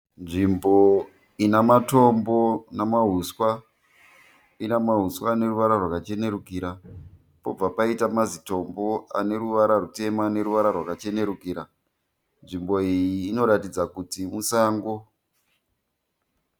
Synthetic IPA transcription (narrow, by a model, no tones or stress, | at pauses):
nʐimbo̞ | inamato̞mbo̞namaɦuswa | inamaɦuswaːne̞ruʋaɾarwakat͡ʃe̞ne̞ɾukiɾa | po̞̰b͡vapaitamazito̞mbo̞a̰ne̞ɾuʋaɾarute̞maːne̞ɾuʋaɾarwakat͡ʃe̞ne̞ɾukiːɾa | nʐimbo̞ijiːno̞ɾatid͡zakutimusaːŋɡo̞